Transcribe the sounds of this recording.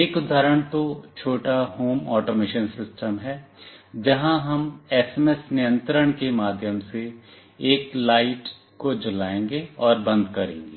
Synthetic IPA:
eːkʊd̪ʱaːɾəɽ̃t̪ot͡ʃʰoːʈaɦoːmɔːʈoːmeːʃənsɪsʈəmɦɛːd͡ʒɐɦãɦɐmɛːsemɛsnɪjə̃nt̪ɾəɽ̃kemaːd̪ʱjəmseː | klaːɪʈ | kod͡ʒʊlaːẽːŋɡeɔːɾbɐ̃nd̪ʱkɐɾḛ̃ːŋɡeː

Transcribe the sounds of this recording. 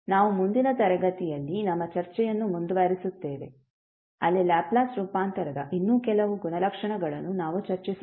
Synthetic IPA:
naːʋumund̪inɐt̪ɐɾɐɡɐt̪ijɐlːinɐmːɐt͡ʃɐɾt͡ʃɛjɐnːumund̪uʋɐːɾisut̪ːeːʋe̞ | ɐlːilaːplaːsɾuːpaːnt̪ɐɾɐd̪ɐʔinːuːkɛlɐʋuɡunɐlɐkʂɐɳɐɡɐɭɐnːunaːʋut͡ʃɐɾt͡ʃis

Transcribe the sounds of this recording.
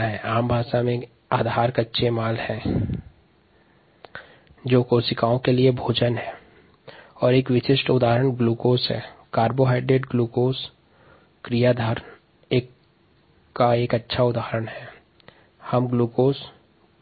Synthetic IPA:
ɦɛːaːmbʱaːʃamẽ | aːd̪ʱaːɾkətːʃʰemaːlhɛ̃ | d͡ʒoːkoːsɪkaːõkeliebʱoːd͡ʒənɦɛː | ɔːɾeːkʋɪʃɪʃʈʊd̪aːəɾəɳɡluːkoːsɦɛ̰ːkaːɾboɦaːɪɖeːɖɡluːkoːs | kɾijad̪ʱaːɾən | eː | aeːkətːʃʰaʊd̪aːɦɾəɽɦɛː | hɐmɡluːkoːs

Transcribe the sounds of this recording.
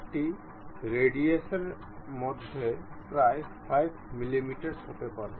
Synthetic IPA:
ʈi | ɾeɖiesɔɾ | mɔd̪ʱepɾajpʰajbmilimiʈəɾsɦot̪epaɾe

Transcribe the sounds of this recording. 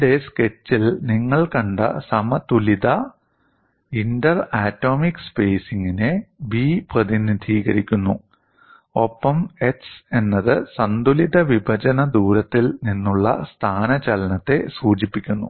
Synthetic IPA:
ɖeske̞t͡ɕːilniŋːɐɭkɐɳɖɨ̰sɐmɐt̪ulid̪ɐ | indɐraːtːo̞ːmikːspe̞ːsiŋɡinebiːprɐðinid̪ʱiːɣɐɾikʲːunːu | o̞pːɐme̞kse̞nːɐðɨsɐnd̪ulid̪ɐʋibʱɐt͡ɕɐnɐd̪uːɾɐt̪ːilninːuɭːɐ̰st̪ʰaːnɐt͡ɕɐlɐnɐt̪ːe̞suːt͡ɕipːikʲːunːṵ

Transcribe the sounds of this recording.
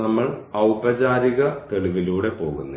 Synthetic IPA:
ɐmːɐɭɐwpɐd͡ʑaːɾiɣɐt̪e̞ɭiʋiluːɽe̞po̞ːɣunː

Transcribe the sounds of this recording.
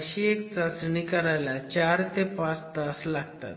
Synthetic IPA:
ɕiːekt͡sasɳikəɾajlat͡ɕaɾt̪epãt͡sd̪əslaɡt̪a̰t̪

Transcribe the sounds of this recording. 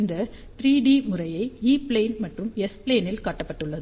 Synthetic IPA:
nd̪ɐ | t̪ɾiːɖiːmʊrɐjɐɪiːpleːnmɐʈrɯmɛspleːnɪlkaːʈːɐpːɐʈːɯɭːɐðɯ

